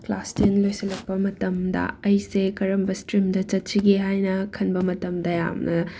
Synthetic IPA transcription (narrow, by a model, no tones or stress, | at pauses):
klastinlojsɐlɐk̚pɐmɐtɐmdɐ̰ɐjsekɐɾɐmbɐstɾimdɐt͡ʃɐt̚t͡ʃiɡiɦajnɐkʰɐnbɐmɐtɐmdɐja̰mnɐ